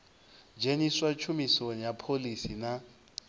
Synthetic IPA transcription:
d͡ʒʱeniswat͡ʃʰumisonɛjapʰolisina

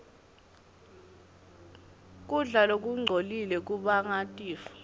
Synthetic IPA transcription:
k̬ʼuɮalok̬ʼuŋ͡ǀʱolilɛk̬ʼuɓaŋatʼiːfɔ̥

